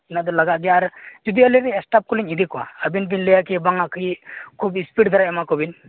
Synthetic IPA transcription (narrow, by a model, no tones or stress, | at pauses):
inad̪ɔlaɡaʔɡɛjaːɾd͡ʒud̪iəliɾiɛsʈap̚kuliɲid̪ikɔwa̰əbinbinlejakibaŋaʔkɯjikʰubispiʈd̪ʱaɾaɛmakobin